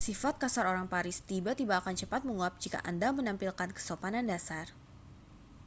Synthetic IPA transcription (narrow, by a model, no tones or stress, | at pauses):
sifat̪̚kasaɾoɾaŋpaɾɪst̪ibat̪ibaːkant͡ʃəpat̪̚məŋuap̚d͡ʒika̰ʔandamənampilkankə̥sopanandasar